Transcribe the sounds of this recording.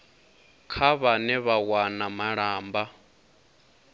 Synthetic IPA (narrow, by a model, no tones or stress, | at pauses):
kʰaβanɛβawanamaɺaːmba